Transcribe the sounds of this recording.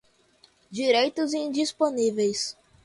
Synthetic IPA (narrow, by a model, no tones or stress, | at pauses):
d͡ʒiɾejt̪ʊzĩd͡ʒisponivejs